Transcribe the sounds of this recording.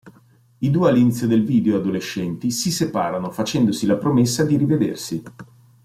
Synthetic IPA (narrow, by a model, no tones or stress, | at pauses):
id̪uːealːinit̪sːjod̪elviːd̪eoad̪oleʃːɛnt̪isisepaːɾanofat͡ʃɛnd̪osilapɾomesːad̪iɾived̪ḛrsi